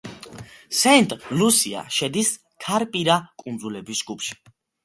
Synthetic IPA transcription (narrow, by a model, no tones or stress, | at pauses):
sɛnt̪ʼlusia̰ʃɛd̪is | kʰaɾpʼiɾakʼund̪zulɛbisd͡ʒɡupʰʃi̥